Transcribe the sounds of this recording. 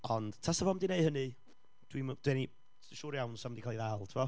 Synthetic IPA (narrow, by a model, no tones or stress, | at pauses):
ɔnd̥tʰasəvɔmdineɨɦənɨ | d̥wimd̥wɛni | ʃuːɾjawnsamdikʰalˠiðalˠtʰɪvɔ